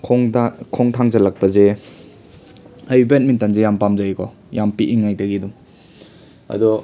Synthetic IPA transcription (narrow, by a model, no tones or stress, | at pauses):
kʰŋkʰɔŋtʰaŋzɐlɐk̚pɐze | ajbent̚mintanzejampamzajkʰɔ̰ | jampiʔiŋːajdɐɡidum | ɐ̰dɔ